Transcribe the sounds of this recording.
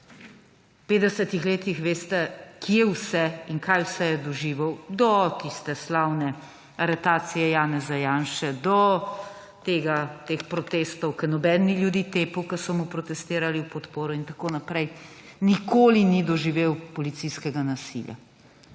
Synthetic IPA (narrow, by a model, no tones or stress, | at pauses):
wpeːt̪d̪ɛsɛt̪ixleːt̪ixʋeːst̪ɛkijɛwsɛiŋkajwsɛjɛd̪ɔʒiːʋəwd̪ɔt̪ist̪ɛslaːwnɛ | aɾɛt̪aːt̪sijɛjaːnɛzajaːnʃɛd̪ɔ | t̪eːɡat̪eːxpɾɔt̪eːst̪ɔwkənɔbɛːnːiljud̪it̪eːpəwkəsɔmupɾɔt̪ɛst̪eːɾaliwpɔt̪poːɾɔint̪akoːnapɾɛjnikoːlinid̪ɔʒiʋeːwpɔlit̪sijskɛɡanasḭlja̰